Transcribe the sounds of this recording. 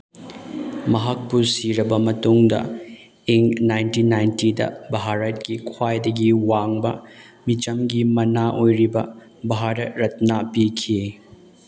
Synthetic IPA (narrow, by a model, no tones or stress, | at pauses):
mɐɦɐk̚pusiɾɐbɐmɐtuŋdɐ̰ | iŋnajntinajntidɐ̰bʱaɦaɾɐt̚kikʰwajdɐɡiwaŋbɐ | mit͡ʃɐmɡimɐnaʔojɾibɐ | bʱaɦaɾɐtɾɐt̚napikʰi